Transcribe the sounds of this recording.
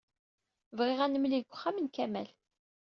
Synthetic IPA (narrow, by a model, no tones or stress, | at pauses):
vʁɪʁænəmliɡʷə̥χːamənkæmæ̰l